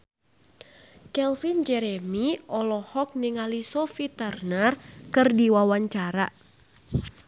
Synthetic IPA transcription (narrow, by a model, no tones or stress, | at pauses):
kɛlfind͡ʒɛɾɛmiɔlɔhɔk̚niŋalisɔfit̪ərnarkɨrdiwawaɲt͡ʃaɾa